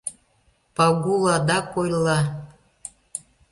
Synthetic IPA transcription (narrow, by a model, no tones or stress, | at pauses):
pɑɡulˠɑd̪ɑkojlˠɑ